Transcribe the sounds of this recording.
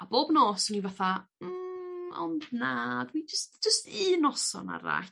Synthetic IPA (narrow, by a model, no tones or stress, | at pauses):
aboːbnoːsɔnivaθam̩ɔ̰ndnadwid͡ʒəstd͡ʒ̥əstiːnɔsɔ̰na̰ɾa̰